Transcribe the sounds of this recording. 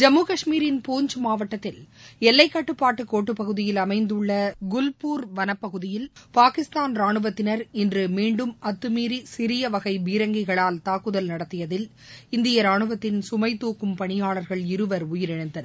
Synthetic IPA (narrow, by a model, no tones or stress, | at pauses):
d͡ʒɐmːuːkɐʂmiːɾɪnpuːɲd͡ʒɯmaːʋɐʈːɐt̪ːɪlɛlːɐɪkːɐʈːɯpːaːʈːɯkːoːʈːɯpːɐɣɯðɪjɪlɐmɐɪnd̪ɯɭːɐɡʊlpuːɾʋɐnɐpːɐɣɯðɪjɪlpaːkɪst̪aːnɾaːɳɯʋɐt̪ːɪnɐɾɪndrɯmiːɳɖɯmɐt̪ːɯmiːɾisɪɾɪjɐʋɐɣɐɪʋiːɾɐŋɡɪɣɐɭaːlt̪aːkːɯðɐlnɐɽɐt̪ːɪjɐðɪl | ɪnd̪ɪjɐɾaːɳɯʋɐt̪ːɪnsʊmɐɪt̪ːuːkːɯmpɐɳɪjaːɭɐɾɣɐɭɪɾɯʋɐɾʊjɪɾɪɳɐɪnd̪ɐnɐ